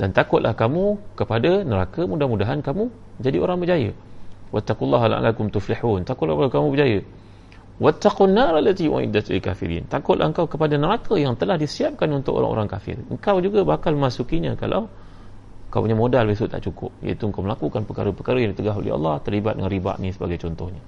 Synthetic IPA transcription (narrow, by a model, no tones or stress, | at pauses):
dant̪akʊt̪̚lʔa̰hkamukəpadanəɾakəmudahmudaɦankamu | d͡ʒadiʔoɾaŋbəd͡ʒajəwat̪ːaqulˤːɑɦalʔa̰lːakʊmt̪ufliħuːnt̪akʊt̪ʔlapaakamũbəd͡ʒajə | wat̪ːaqunːaɾalːat̪iwa̰ʔḭdat̪lka̰fḭɾḭnt̪akʊt̪ʔ̪lʔa̰həŋkawkəpadanəɾakʰəjaŋt̪əlahdisiap̚kanunt̪ʊkʔo̰ɾa̰ŋʔo̰ɾaŋkafɪ̰rəŋkawd͡ʒuɡabakalməmasukiɲəkala̰w | kawpuɲamodalbis̬ʊʔt̪ːa̰ʔt͡ʃukʊ̰p̚ja̰it̪uəŋkawməlakukanpəkaɾəpəkaɾəjaŋdit̪əɡaɦo̰lḭɑ̰lˠˤːɑht̪ərlibat̪̚də̰ŋanriba̰ʔnĩsəba̰ɡajt͡ʃɔnt̪ɔhɲə